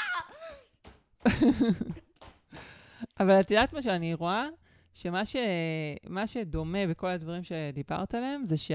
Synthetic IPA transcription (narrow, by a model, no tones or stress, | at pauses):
ʔavalat̪idat̪maʃ̬eaniʁoa | ʃe̞maʃemaʃe̞d̪o̞me̞beko̞lad̪vaʁimʃed̪iba̰ʁt̪aleemzeʃe